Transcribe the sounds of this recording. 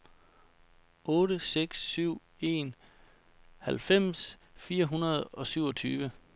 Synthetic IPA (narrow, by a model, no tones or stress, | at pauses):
ɔ̽ːɾəseɡ̥syʊ̰ | e̝n | hælfem̰sfiːɐɦunɐð̞ˠɒ̽syʊ̰ɒ̽t͡sʰyːʋə